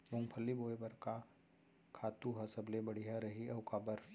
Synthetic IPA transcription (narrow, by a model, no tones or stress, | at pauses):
bʊ̃ŋɡpʰəlːiboːebɐɾka | kʰaːt̪uɦɐsɐblebɐɽ̤ijɦaɾɐɦiɐʊkaːbəɾ